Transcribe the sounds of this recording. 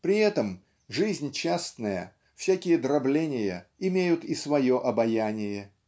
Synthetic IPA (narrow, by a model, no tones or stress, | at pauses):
pɾʲɪɛt̪əm | ʐɨzʲnʲt͡ɕːast̪nəjə̰ | fsʲakʲɪjəd̪ɾɐblʲenʲɪjəɪmʲejʊt̪ɪsvɐjo̞ʔɐbɐjanʲɪjə